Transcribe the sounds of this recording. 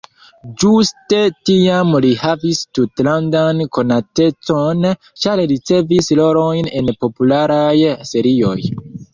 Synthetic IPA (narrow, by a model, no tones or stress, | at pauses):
d͡ʒuste̞tiamlihavistutlandanko̞nate̞t͡so̞n | t͡ʃaɾlit͡se̞vislo̞ɾo̞jne̞npo̞pulaɾajse̞ɾio̞j